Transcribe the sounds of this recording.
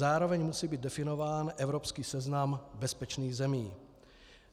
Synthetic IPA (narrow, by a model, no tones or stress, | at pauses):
aːɾo̞vɛɲmusiːbiːt̪dɛfɪno̞vaːnʔɛvɾo̞pskiːsɛznambɛspɛt͡ʃniːɣzɛmiː